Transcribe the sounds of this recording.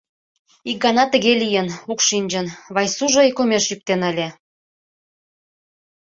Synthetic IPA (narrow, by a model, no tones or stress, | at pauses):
ik̚ɡɑnɑt̪əɣelijənukʃinʲd͡ʑə̆nβɑjsuʒoikomeʃjyk̚t̪enəlʲe